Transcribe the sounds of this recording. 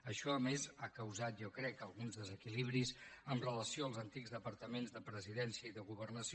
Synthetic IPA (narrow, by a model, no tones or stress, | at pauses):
əʃɔəmezakəwzat̪̚ʒɔkɾɛkəlˠɣunzðəzəkiliβɾizənrələsioəlˠzənt̪iɡzðəpəɾt̪əmenzðəpɾəziðɛnsiəiðəɣuβərnəsi